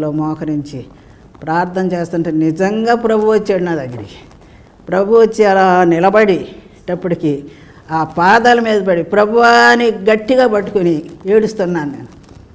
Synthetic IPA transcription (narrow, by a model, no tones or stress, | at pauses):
loːmɔːkɐɾiɲt͡ʃi | pɾaːɾt̪ʰɐmt͡ʃeːst̪uɳʈennid͡ʒɐŋɡaːpɾɐbʱuʋɐt͡ʃːeːɽinaːd̪ɐɡːɐɾiki̥ | pɾɐbʱuʋɐt͡ʃːiɐlaːnilɐbɐɽi | ʈɐpːuɽiki | aːpaːd̪alɐmiːd̪ɐpɐɽipɾɐbʱuʋaniɡɐʈːiɡaːpɐʈːu̥kunieːɽust̪unːaːnnḛːnu